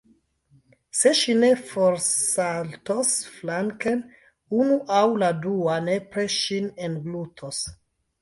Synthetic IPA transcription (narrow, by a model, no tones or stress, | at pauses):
se̞ʃine̞foɾsaltosflaŋken | unuʔawladuane̞pɾeʃinenɡlutʰos